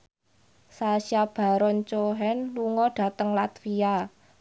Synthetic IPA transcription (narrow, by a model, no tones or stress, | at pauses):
saʃab̥a̤ɾɔnt͡ʃoɦɛnluŋɔɖ̥a̤t̪əŋlat̪fia